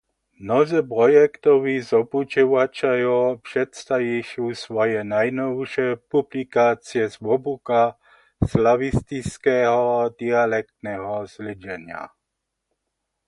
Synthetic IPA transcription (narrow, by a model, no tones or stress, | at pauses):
mnɔzipɾɔjɛkt̪ɔʋizɔput͡ʃɔʋat͡ʃajupʂɛt̪st̪ajiʃusʋɔjɛnajnɔwʃɛpublikaːt͡siɛzʋɔbuka | slaʋist̪iskɛːɦɔad̪ialɛk̚t̪nɛɦɔzlɪd͡ʒɛɲɪa̰